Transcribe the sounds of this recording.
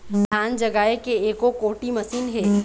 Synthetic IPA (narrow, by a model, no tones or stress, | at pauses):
d̪ʱaːnd͡ʒɐɡaːekeeːkokoːʈimɐsiːnɦɛː